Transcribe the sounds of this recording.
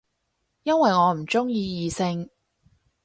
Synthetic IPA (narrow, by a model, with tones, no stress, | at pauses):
jɐ˥nwɐ˨jŋɔː˨˧m̩˨˩t͡ʃʊ˥ŋjiː˧jiː˨˧sɪ˧ŋ